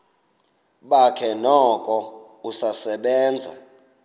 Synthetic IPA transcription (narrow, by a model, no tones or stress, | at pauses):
ɓakʰɛnɔkʼɔ | usasɛɓɛːnd͡zʱa̰